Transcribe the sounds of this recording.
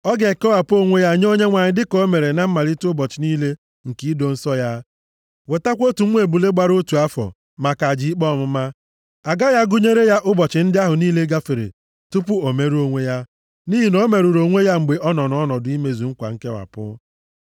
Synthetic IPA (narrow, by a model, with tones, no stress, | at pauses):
ɔ˦ɡe˨ke˦wa˨pʊ˦o˦ŋʷe˦ja˦˨ɲ˦o˦ɲe˦ŋʷa˨ɲɪ˨˦dɪ˦ko˦me˨ɾe˨na˦m̩˦ma˨li˦tʊ˦bɔ˨t͡ʃɪ˨niː˦le˦ | ŋ̩˨ki˦i˦do˨n̩˦sɔ˦ja˦ | we˨ta˦kʷo˦tu˨ŋ̩ʷ˦e˨bu˨le˦ɡ͡ba˦ɾo˦tu˨a˦fɔ̰˨ | ma˨ka˨d͡ʒi˨˦i˦k͡pɔ˦˨mʊ˦ma˦ | a˨ɡa˦ja˦ɡʊ˦ɲe˦ɾe˦ja˦ʔʊ˦bɔ˨t͡ʃɪ˨˦n̩˦dɪ˦a˦ɦʊ˨niː˦le˦ɡa˦fe˨ɾḛ˨ | tʊ˦pʊ˦o˨me˨ɾu˦o˦ŋʷe˦ja˦ | ni˦ɦi˨no˦me˨ɾu˨ɾo˨ŋʷe˦ja˦ŋ͡m̩˨ɡ͡be˨ʔɔ˦nɔ˨nɔ˦nɔ˨dʊ˨i˦me˨zu˨ŋ̩˦kʷa̰˨ŋ̩˦ke˦wa̰˨pʊ̰˦